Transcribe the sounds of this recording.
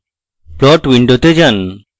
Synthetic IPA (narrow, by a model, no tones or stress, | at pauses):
plɔʈwiɳɖot̪ed͡ʒan